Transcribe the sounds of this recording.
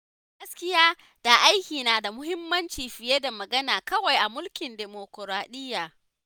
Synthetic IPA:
ɡɐ˦skʲɪ˦jaː˦ | d̥a˨ʔa˦jkʲiː˨naː˨da˨mʊ˦hɪ˦mːɐ˦nt͡ʃiː˨ɸɪ˨jeː˦da˨mɐ˨ɡɐ˦naː˨kɐ˦wa˨jʔa˨mʊ˦lkʲɪ˨ndeː˨mo˨kɔ˨ɾaː˨ɗɪ˦jːaː˨

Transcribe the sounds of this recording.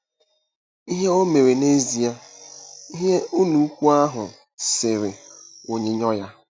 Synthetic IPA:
i˦ɦe˦o˦me˨ɾe˨ne˦zi˨a˦ | i˦ɦe˦u˦nu˨˦kʷu˦a˦ɦʊ˨ | se˨ɾe˨o˨ɲe˦ɲɔ˦ja˦

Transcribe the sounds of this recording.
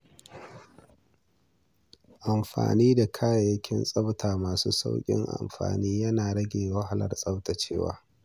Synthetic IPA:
ʔa˨mɸa̰ː˨niː˦da˨kʰaː˦ja˨jɐ˦kʲʰɪ˦nsʼɐ˦wtʰaː˨maː˨suː˦sa̰˦wkʲʼɪ̰˦ŋʔa̰˨mɸa̰ː˨niː˦jɐ˦naː˨ɽɐ˦ɡʲeː˨wɐ˦ɦa˨lɐ̰˨rsʼɐ˦wta˨t͡ʃeː˦wa̰ː˨

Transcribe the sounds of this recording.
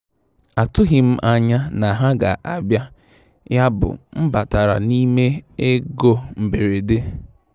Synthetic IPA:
a˨tʊ˦ɦɪ˨m̩˦ʔa˨ɲa˦na˨ɦa˦ɡa̰˨ʔa˨bja˦ | ja˦bʊ̰˨m̩˦ba˨ta˨ɾa̰˨ni˦me˦e˦ɡo˦m̩˨be˨ɾe˨de˦

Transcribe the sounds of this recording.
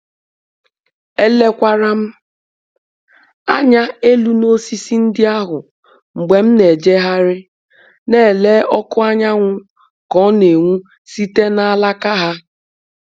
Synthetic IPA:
e˦le˦kʷa˦ɾa˦m̩˦ | a˦ɲa˦e˦lu˦no˦si˦si˦n̩˦dɪ˦a˦ɦʊ˨ | ŋ͡m̩˨ɡ͡be˨m̩˦ne˨d͡ʒe˦ɦa˦ɾɪ˦ | ne˦˨leː˦ʔɔ˦kʊ˦a˦ɲa˦ŋʷʊ˦ | kɔ˨˦ne˨ŋʷu˦ | si˦te˦na˦a˦la˦ka˦ɦa˦

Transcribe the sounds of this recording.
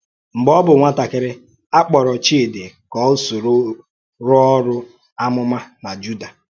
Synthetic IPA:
m̩˨ɡ͡bɔ˦bʊ˨ŋʷa˦ta˨kɪ˨ɾɪ˦ | a˦k͡pɔ˨ɾɔ˨t͡ʃi˦e˨dɪ˨kɔ˦ʊ˦so˨ɾo˦ | ɾʊ˦ɔ˦ɾʊ˦ | a˦mʊ˦ma˦na˨d͡ʒu˦da˨

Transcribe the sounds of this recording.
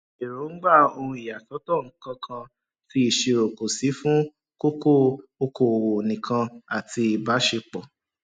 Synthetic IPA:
e˨ɾo˨˦ŋ̩˦ɡ͡ba˦˨o˧hũ˧i˨ja˨sɔ˨˦tɔ˦˨ŋ̩˦kã˧kʰã˧ | ti˧˦i˨ʃe˨ɾo˨ko˨si˨˦fũ˦ | ko˦ko˦o˧ko˨wo˨nĩ˨kʰã˧a˨ti˧i˨ba˨˦ʃe˧k͡pɔ˨

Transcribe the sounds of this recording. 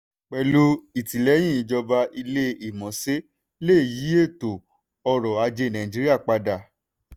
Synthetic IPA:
k͡pɛ˧lu˧˦i˨ti˨lɛ˨˦j̃ĩ˦˨˧d͡ʒɔ˧ba˧ʔi˧le˦i˨mɔ̃˨˦se˦ | leː˦˨ji˨˦e˦˨to˨ | ɔ˧ɾɔ˨a˧d͡ʒe˧nã˨ĩ˨d͡ʒi˨˦ɾi˦a˦˨k͡pa˧da˨

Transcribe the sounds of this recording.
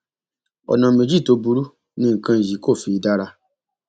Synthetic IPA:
ɔ̰˨nã˨me˨d͡ʒi˦˨to˧bu˦ɾu˦ | nĩ˧˦ŋ̩˨kã˧˨ji˨˦ko˦˨fi˨˦da˦ɾa˦

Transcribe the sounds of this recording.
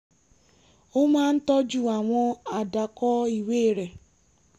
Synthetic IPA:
ʊ˦ma˦n̩˦tɔ˦d͡ʒu˨a˨ŋʷɔ˦a˨da˨kɔ˦i˨we˦˨ɾe˨

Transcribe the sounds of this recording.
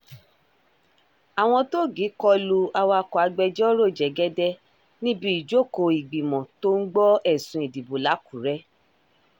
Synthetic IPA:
a˨w̃ɔ̃˧to˦˨ɡi˨˦kɔ˧lu˧a˧wa˧kɔ˨a˨˧ɡ͡bɛ˧d͡ʒɔ˦ɾo˦˨d͡ʒɛ˨ɡɛ˦dɛ˦ | nĩ˦bi˦i˨d͡ʒo˦˨ko˧i˨ɡ͡bi˨mɔ̃˨to˦ŋ̩˦ɡ͡bɔ˦ɛ˦˨sũ˧i˨di˨bo˨la˨˦ku˨ɾɛ˦

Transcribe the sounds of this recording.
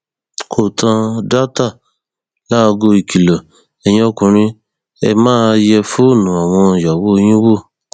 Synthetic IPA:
kʰo˨tʰã˧da˦ta˦˨ | la˦˧ɡo˧i˨kʰi˨lɔ˨ | ɛ˧jĩ˧˦ɔ˧kũ˧˨ɾ̃ĩ˧ | ɛ˧mãː˦jɛ˧fu˦˨nũ˨a˨w̃ɔ̃˧˨ja˨wo˦o˧j̃ĩ˦wo˦˨

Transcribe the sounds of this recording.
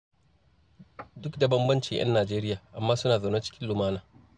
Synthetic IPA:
dʊ˦kda˨bɐ˦mbɐ˦nt͡ʃɪ˨ŋj̰ɐ̰˦nːaː˨d͡ʒeː˦ɾɪ˦jaː˨ʔa˨mːaː˦sʊ˦naː˨za˨na˦t͡ʃɪ̥˦kʲɪ˦nlʊ˨maː˦naː˨

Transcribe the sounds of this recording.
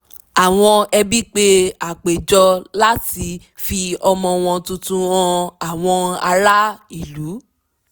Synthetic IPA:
a˨w̃ɔ̃˧ɛ˧bi˦k͡pe˦a˨k͡pe˨d͡ʒɔ˧la˦ti˧ | fi˧ɔ˧mɔ̃˧w̃ɔ̃˧tũ˧tũ˦ɔ̃˧a˨w̃ɔ̃˧a˧ɾa˦i˦˨lu˨˦

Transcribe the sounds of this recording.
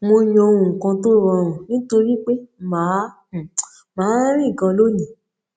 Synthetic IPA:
mo˧j̃ɔ̃˧o˧w̃ũ˨kã˧to˦ɾɔ̃˧ɾ̃ũ˨nĩ˦to˧ɾi˦k͡pe˦mãː˨˦˨ | mãː˨˦ɾĩ˦˨ɡã˧lo˦nĩ˨

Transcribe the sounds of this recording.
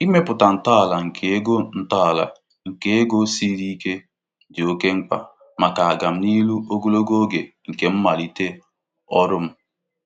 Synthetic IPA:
i˦me˦pʊ˨ta˨n̩˨ta˦a˨la˨ŋ̩˨kʰe˨˦ɡo˦n̩˨ta˦a˨la̰˨ | ŋ̩˨ke˨e˦ɡo˦si˦ɾi˦ke˦ | dɪ˨o˦ke˦ŋ͡m̩˦k͡pa̰˦˨ | ma˨ka˨a˨ɡa˨m̩˦ni˦lu˦o˦ɡo˦lo˦ɡo˦ɡe˨ | ŋ̩˨ke˨m̩˦ma˨li˨te˦ | ɔ˦ɾʊ˦m̩˦

